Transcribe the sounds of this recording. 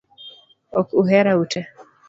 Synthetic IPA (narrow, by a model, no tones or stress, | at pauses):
ɔkuɦɛɾautʰɛ